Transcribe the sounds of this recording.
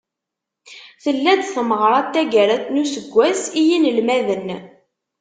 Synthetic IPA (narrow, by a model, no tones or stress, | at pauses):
θəlːæd̪θəməʁɾˤɑt̪ːæɡæɾæt̪nusəɡʷːæsijinəlmæðən